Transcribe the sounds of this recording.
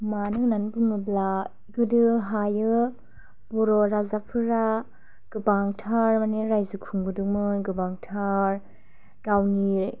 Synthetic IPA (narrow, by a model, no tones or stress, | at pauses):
manɯnanbɯŋɯbla | ɡɯdɯɦajɯ | b̥ɔɾɔɾazapʰɯɾa | ɡ̥ɯbaŋtʰaɾmaneɾajzɯkʰuŋbɯdɯŋmɯnɡɯbaŋtʰaɾ | ɡ̥awni